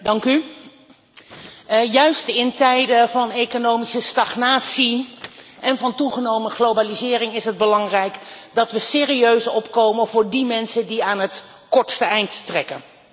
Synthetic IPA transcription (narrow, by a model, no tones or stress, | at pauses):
dɑŋky | jœɥstɪntɛjdəvɑnejkonowmisəstɑχnaːtsiʔɛnvɑntuχənowməχlowbalizɪːrɪŋɪsɦəd̚bəlɑŋrɛjkdɑtʋəsɪːriøɥsɔpkowmənvʊːɹdimɛnsəndiaːnɦət | kɔɹtstəɛjntːrɛkən